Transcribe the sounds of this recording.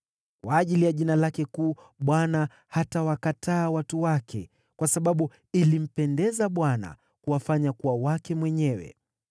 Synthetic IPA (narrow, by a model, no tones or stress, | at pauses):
kwaːʄilijaʄinalakɛkuː | ɓwana | hatawakatʰaːwatuwakʰɛ̰ | kwasaɓaɓu | ilim̩pɛndɛzaɓwana̰ | kuwafaɲakuwawakɛmwɛɲɛwɛ̰